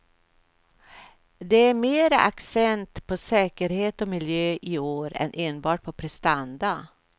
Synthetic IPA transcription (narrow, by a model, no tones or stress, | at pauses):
d̪ɛæɾmeːɾaʔa̰ksɛnt̪pʰɔsɛːkəɾheːt̪ɔmɪljøːʔɪoːɾɛ̰nʔeːnbɑːʈ̚pʰɔpʰɾɛst̪and̪a